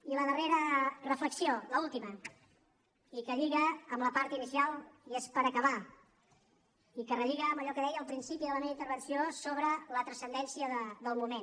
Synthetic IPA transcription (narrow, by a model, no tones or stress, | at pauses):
iləðəreɾərəfləksioləulˠt̪imə | ikəʎiɣəːmləpaɾt̪inisialˠiespəɾəkəβa | ikərəʎiɣəːməʎɔkəðɛjəːlˠpɾinsipiðələmeβint̪əɾβənsiosoβɾələt̪ɾəsənd̪ɛnsiəðəd̪əlˠmumen